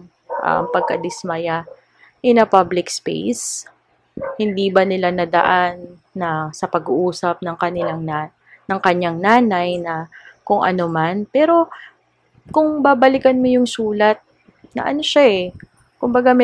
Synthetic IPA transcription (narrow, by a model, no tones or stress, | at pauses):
ʔɐ̰mpɐɡ̚kɐd̪ɪsmɐja | ʔɛnɐpablɪkspḛjs | hɪnd̪ibɐnɪlanɐd̪ɐ̰ʔanː | ɐsɐpɐɡuʔuːsɐp̚nɐŋkɐnɪlaŋna | nɐŋkɐɲaŋnaːnajnɐkʊŋʔɐ̰no̞manpɛːɾo̞ | kʊŋbaːbɐlɪkɐnmojʊŋsuːlɐt̪̚ | nɐ̰ʔɐnoʃaʔɛ | kʊmbɐɡamɛ